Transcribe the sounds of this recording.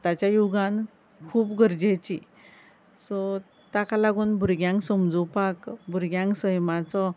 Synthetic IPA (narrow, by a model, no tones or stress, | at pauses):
t̪at͡ɕjajuɡãn | kʰuːpɡʱəɾd͡ʑet͡ɕi | sɔ | t̪akalaɡuːnbʱuɾɡjãŋksəmd͡zupakbʱuɾɡjãŋksəjmat͡sɔ